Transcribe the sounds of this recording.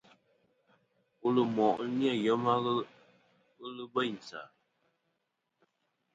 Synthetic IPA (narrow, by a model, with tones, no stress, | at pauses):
u˦lɨ˨mɔ˨ʔnja˦˨jɔ˨˦ma˦ɣ | ɣɨ˦lɨ˦be˦˨n˨sa̰˨